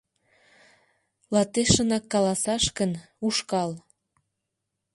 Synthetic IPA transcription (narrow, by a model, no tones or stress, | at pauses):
lɑt̪eʃənɑkːɑlɑsɑʃkən | uʃkɑl